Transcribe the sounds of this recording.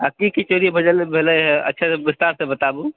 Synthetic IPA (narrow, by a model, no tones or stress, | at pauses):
akikit͡ʃoɾibʱəd͡ʒəlbʱeləjɦə̰tːʃʰasebist̪aɾsẽbət̪abu